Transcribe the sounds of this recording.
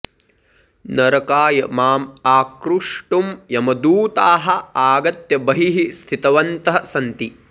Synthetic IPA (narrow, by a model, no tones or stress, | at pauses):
nɐɾɐkaːjɐmaːmaːkɾuʂʈumjɐmɐd̪uːt̪aːɦɐ̆aːɡɐt̪jɐbɐɦiɦist̪ʰit̪ɐʋɐnt̪ɐɦɐsɐnt̪i